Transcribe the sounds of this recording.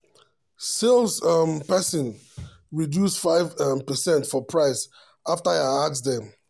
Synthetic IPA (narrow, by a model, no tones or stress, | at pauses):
selˠsʌmpɛsĩn | ɹidjusfaɪvmpɛsɛ̃ntfɔpʰɹaɪs | ʔaftaaaksdɛ̃m